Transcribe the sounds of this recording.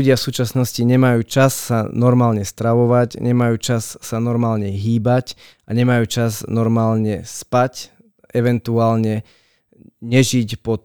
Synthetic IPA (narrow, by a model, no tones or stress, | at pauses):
uɟɪafsuːt͡ʃasnɔsciɲɛmajuːt͡ʃasːanɔɾmaːlɲɛst̪ɾaʋɔʋacɲɛmajuːt͡ʃasːanɔɾmaːlɲɛɦiːbac | aɲɛmajuːt͡ʃaznɔɾmaːlɲɛspac | ʔɛʋɛnt̪uaːlɲɛ | ɲɛʒicpɔt̪